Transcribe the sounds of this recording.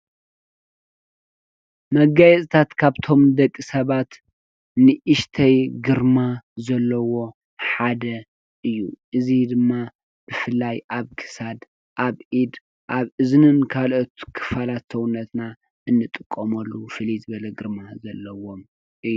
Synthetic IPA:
mɐɡajɛsʼt̪ʰat̪kʰaβt̪ʰo̞md̪ɐkʼːisɐβat̪ | nɨʔɨʃt̪ʰɐjɡɨɾmazɐlːɐwo̞ | ħad̪ɐ | ʔɨjːuʔɨzid̪ɨmːa | b̥ɨfɨlːajʔaβkʰɨ̥sad̪ | ʔaβʔid̪ | ʔaβɨznɨnkʰalʔot̪kʰɨ̥falat̪sɐwunːɐt̪na | ɨnːɨt̪ʼɨkʼːomɐlːufɨlizɨβɐlɐɡɨɾmazɐlːɐwo̞m | ʔɨjːu

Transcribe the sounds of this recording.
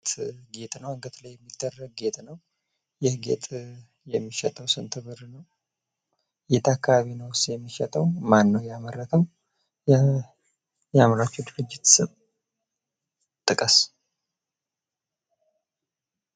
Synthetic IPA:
t̪ɡet̪ʼnəwɨŋɡət̪ʰlajːɛmːid̪ːərːəɡ̚ɡe̞t̪ʼnəw | jɪhɡḛt̪ʼ | jɛmːiʃɛt̪ʼəwsɨnt̪ʰɨβɨɾnəw | ɡet̪ʰakːaβaβinəwsjɛmːiʃɛt̪ʼəwmanːəwjamərːət̪ʰəw | jɛamɾat͡ʃːɛwd̪ɨɾɨd͡ʒːɪt̪sɨβ | t̪ʼːɨkʼəs

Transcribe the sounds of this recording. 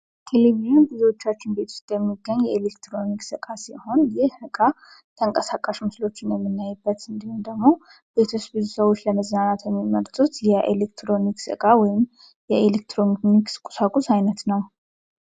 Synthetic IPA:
t̪ʰeleβiʒinbɨziwot͡ʃːat͡ʃːɪnbe̞t̪ʰu̥st̪ʼjɛmːiɡːəɲːjɛelekt̪ɾo̞niksɨkʼasiho̞njɪhɨkʼa | t̪ʰəŋkʼəsakʼaʃmɨslo̞t͡ʃːɪnjɛmːɨnːajːɛbːət̪ɨnd̪ihund̪əɡmo̞ | b̥e̞t̪ʰut͡ʃbɨzusəβwo̞t͡ʃːləməznanat̪jɛmːiməɾt̪ʼut̪jɛʔḛlekt̪ɾo̞niksɨ̰kʼawɔjɪm | jɛelekt̪ɾo̞nnikskʼu̥sakʼusajnət̪nəw

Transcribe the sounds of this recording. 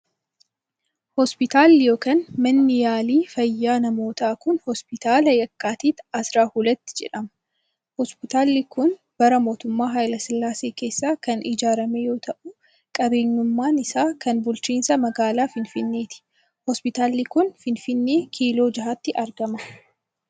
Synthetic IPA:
hɔspɪt̪aːlːɪjo̞ːkaːnmɐnːɪjaːliːfɐjːaːnɐmo̞ːt̪aːkʊnhɔspɪt̪aːlɐjɐkːaːt̪iːt̪ɐsɾaːhuːlɐt̪ːɪ̥d͡ʒɛ̰ᶑɐmɐ | hɔspɪt̪aːlːɪkʊn | b̥ɐɾɐmo̞ːt̪ʊmːaːɦaːjlɐsɪlːaːseːke̞ːsːaːkɐnʔɪd͡ʒaːɾɐmejo̞ːt̪ʰɐʔʊ | kʼɐbe̞ːɲːʊmːaːnɪsaːkɐnbʊlt͡ʃiːnsɐmɐɡaːlaːfɪnfɪnːe̞ːt̪ɪ̥ | hɔspɪt̪aːlːɪkʊnfɪnfɪnːe̞ːkʰiːlo̞ːd͡ʒɐɦaːt̪ːɪʔɐɾɡɐmɐ

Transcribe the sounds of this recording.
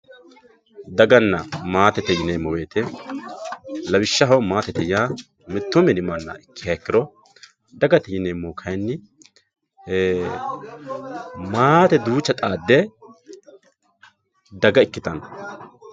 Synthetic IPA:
d̪ɐɡɐnːɐmaːt̪ɛt̪ɛjɪnemːɔweːt̪ɛ | lɐbɪʃːɐɦɐwmaːt̪ɛt̪ɛjaː | mɪt̪ːʊmɛnɪmɐnːɐ̰ɪkːɪɐkːɪɾɔ | d̪ɐɡɐt̪ɛjɪneːmːoːkʰɐjnːɪ | maːt̪ɛd̪uːt͡ʃːɐt̪ʼaːd̪ːɛ | d̪ɐɡɐɪkːɪt̪ɐn

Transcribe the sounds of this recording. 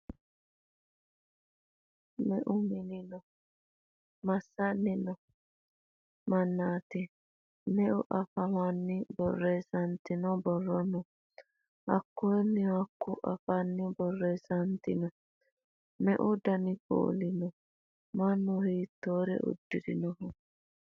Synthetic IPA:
mɛʔʊmɪnɪnɔ | mɐsːɐnːɪnɔ | mɐnːaːt̪ɛ | mɛʔʊʔɐfɐmanːɪbɔrːesɐnt̪ɪnɔbɔrːɔnɔ | ɐkːuɛmːɪɐkːuʔɐ̰fanːɪbɔrːɛsɐnt̪ɪnɔ | mɛ̰ʔʊd̪ɐnɪko̰ːlɪnɔ | mɐanːʊhiːt̪ːoːɾɛ̰ʔṵd̪ːɪɾɪnɔhɔ

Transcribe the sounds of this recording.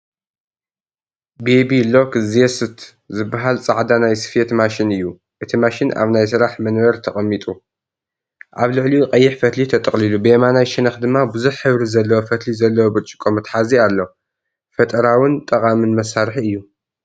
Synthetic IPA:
bebilo̞kzjesɨt̪ | zɨbːaɦalt͡sʼaʕd̪anajsɨ̥fet̪maʃinɨjːu | ʔɨt̪ʰimaʃina̰βnajsɨɾaħmɐnwɐɾt̪ʰɐχʼɐmːit̪ʼu | ʔaβlɨʕliqʼɐjːɪħfɐt̪lit̪ʰɐt̪ʼɐχʼlilubɨemanajʃɪnɐxd̪ɨmːabɨzuħːɨβɾizɐlːɐwofɐt̪lizɐlːɐwobɨɾt͡ʃʼɪ̥kʼomɨt̪ħazialːo̞ | fɐt̪ʼɐɾawɨnt̪ʼɐkʼamɨnmɐsːaɾħiɨjːu

